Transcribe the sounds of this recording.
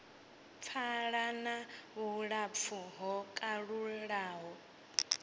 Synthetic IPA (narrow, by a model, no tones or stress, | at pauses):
p̪fʰaɺanaβuɺap̪fʰuɦɔkʼaɺuɺaːɦɔ